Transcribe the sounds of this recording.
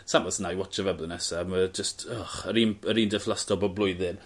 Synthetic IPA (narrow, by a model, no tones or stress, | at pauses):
samɔsnajwɔt͡ʃəvɛblˠənɛsaməd͡ʒəstʰɔχəɾiːnəɾiːndɛflˠastɔbɔblʊɨðɨn